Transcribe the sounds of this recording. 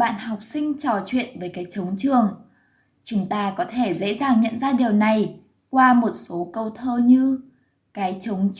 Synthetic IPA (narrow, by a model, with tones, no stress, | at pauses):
ɓa̰ː˧˨nha˨˩wk͡p̚sï˧ŋ̟t͡ɕɔ˨˩t͡ɕwḭ˧˨ənveː˨˦jkaː˨˦jt͡ɕə˨˦wŋ͡mt͡ɕɨ˨˩əŋ | t͡ɕʊ˨˦ŋ͡mt̪aː˧kɔ˨˦t̪ʰe˧˩zḛ˧˥zaː˨˩ŋɲə̰˧˨nzaː˧ɗi˨˩əwna˨˩j | kwaː˧mo˨˩t̚so˨˦kə˧wt̪ʰəː˧ɲɨ˧ | kaː˨˦jt͡ɕə˨˦wŋ͡m